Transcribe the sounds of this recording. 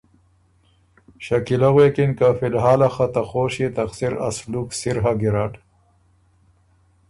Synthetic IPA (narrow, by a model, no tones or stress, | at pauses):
ɕɐkilaɣwekinkafilɦaːlaxɐt̪ɐxoːɕit̪ɐxsiɾɐ̰sluːksiɾɦaɡiɾaʈ